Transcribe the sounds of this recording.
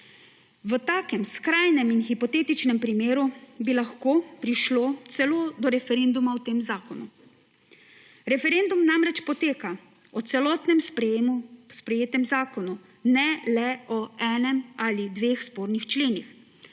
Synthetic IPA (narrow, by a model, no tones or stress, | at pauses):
ʋət̪aːkɛmskɾaːjnɛminxipɔt̪eːt̪it͡ʃnɛmpɾimeːɾubilaxkoːpɾiʃloːt̪sɛloːd̪ɔɾɛfɛɾend̪umaɔt̪eːmzaːkɔnu | ɾɛfɛɾend̪umnamɾɛt͡ʃpɔt̪eːka | ɔt̪sɛlɔːt̪nɛmpː | spɾɛjeːt̪ɛmzaːkɔnu | nɛlɛɔɛːnɛmaːlid̪ʋeːxspoːɾnixt͡ʃleːnix